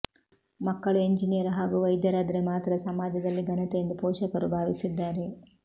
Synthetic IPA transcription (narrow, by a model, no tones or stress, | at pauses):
mɐkːɐɭueɲd͡ʒinijɐɾɦaːɡuʋɐjd̪jɐɾaːd̪ɐɾe̞maːt̪ɾɐsɐmaːd͡ʒɐd̪ɐlːiɡɐnɐt̪ejend̪upɔːʃɐkɐɾubʱaːʋisid̪ːaːɾe